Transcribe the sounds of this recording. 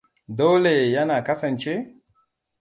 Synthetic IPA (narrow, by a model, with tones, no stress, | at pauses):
do˦le˨ja˦naː˨kɐ˦sɐ˨nt͡ʃe˦